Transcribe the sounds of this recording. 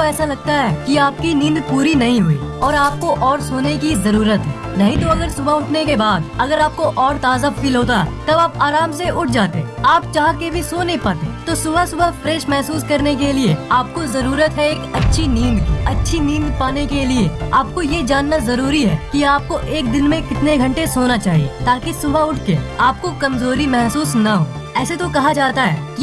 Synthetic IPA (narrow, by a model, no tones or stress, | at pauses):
oɛːsalɐɡ̚t̪aɦɛːkiaːp̚kinĩːnd̪puːɾinɐɦĩɦʊḭːɔːɾaːp̚koʔɔːɾsoːnekizɐɾuːɾət̪ɦɛ̰ːnɐɦĩt̪̬oɐɡəɾsʊbʱaʊʈʰnekebaːd̪̚ɐɡəɾaːp̚koʔɔːɾt̪aːzafiːlɦoːt̪̬aɦɛ̰t̪ɐbaːpaːɾaːmseʊʈ̚ʰd͡ʒaːt̪eaːpt͡ʃaːɦkebʱisoːnepaːt̪et̪osʊbʱasʊbʱafɾɛːʃmɛɦsuːskɐɾnekelieaːp̚kozɐɾuːɾət̪ɦɛeːkɐtːʃʰinĩːnd̪ɐtːʃʰinĩːnd̪paːnekelieaːp̚kojed͡ʒaːnːazɐɾuːɾiɦɛːkiaːp̚koʔeːk̚d̪ɪnmẽkɪt̪neɡʱɐ̃ɳʈesoːnat͡ʃaːɦiḛt̪aːkisʊbʱaʊʈʰkeaːp̚kokɐmzoːɾimɛɦsuːsnaɦo̰ː | ɛːset̪okɐɦad͡ʒaːt̪aɦɛ̰ːki